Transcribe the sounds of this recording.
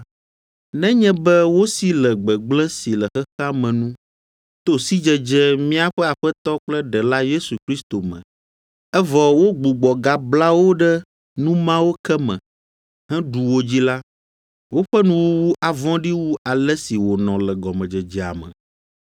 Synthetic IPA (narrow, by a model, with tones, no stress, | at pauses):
nɛ̃˦ɲɛ̃˦bɛ˦wo˦si˦lɛ˨ɡ͡bɛ˨ɡ͡blɛ̃˦si˨lɛ˨xɛ˦xa˦mɛ̃˨nũ˦ | t̪o˦si˦d͡ʒɛ˨d͡ʒɛ˦mĩ˦a˨ɸɛ˦a˨ɸɛ˦t̪ɔ˦k͡plɛ˦ɖɛ˨la˦je˦su˨kɾi˦st̪o˨mɛ̰̃˨ | ɛ˦vɔ˨wo˦ɡ͡bu˨ɡ͡bɔ˨ɡa˨bla˦wo˦ɖɛ˦ | nũ˦mã˦wo˦kɛ˦mɛ̰̃˨ | ɦɛ̃˦ɖu˨wo˦d͡ʑi˦la˦ | wo˦ɸɛ˦nũ˦wo˦wu˦ʔa˨vɔ̃˦ɖi˦wu˦ʔa˨lɛ˦si˨wo˨nɔ̃˨lɛ˨ɡɔ˨mɛ̃˨d͡ʒɛ˨d͡ʒɛ˨a̰˨mɛ̰̃˨